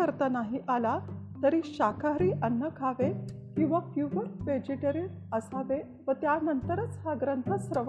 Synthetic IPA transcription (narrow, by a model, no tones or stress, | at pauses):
əɾt̪anaɦiʔala | t̪əɾiːɕakʰaɾiːʔənːəkʰaʋe | kĩw̃ʋapjuʋəɾʋed͡ʑiʈəɾi | əsaʋe | ʋət̪janənt̪əɾət͡shaɡɾənt̪ʰəsɾəʋ